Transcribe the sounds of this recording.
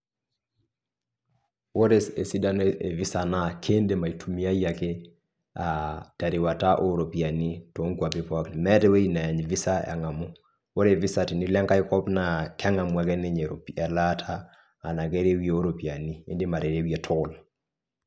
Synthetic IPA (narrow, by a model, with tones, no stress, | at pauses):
wo˦ɾe˦se˨si˦da˦nee˨vi˦sa˨na˦kʰe˦nde˦ma˨i˨tʰu˨mi˦a˦ja˨ke˦ | a˨ta˨ɾi˨wa˨ta˦ʔo˦ɾo˨pi˨a˨ni˦to˨˦ŋkwa˨pi˦pa˦kmɛ˦tɛ˦we˦i˦na˨ɲvi˦sa˦ɛ̰˨ŋa˨mu˦ | wo˦ɾe˨vi˦sa˨ti˨ni˦lɛ˦ŋka˦i˦kɔ˦pna˨kʰɛ˦ŋa˨mwa˨kɛ˦ne˦ɲe˨ɾo˨piɛ˨la˦tʰaː˦˨ | na˨ke˦ɾe˦wje˦o˦ɾo˨pi˨a˨nḭː˦ndi˦ma˨ɾe˨ɾe˦wje˨tʰɔ˦ʊ˨l